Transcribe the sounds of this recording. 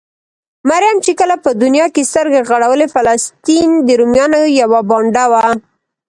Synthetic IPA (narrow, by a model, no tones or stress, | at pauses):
maɾjamt͡ʃekəlapəd̪ʊnjɑkest̪əɾɡaɣaɽawəlefalast̪ind̪əɾumjɑnojawabɑɳɖawa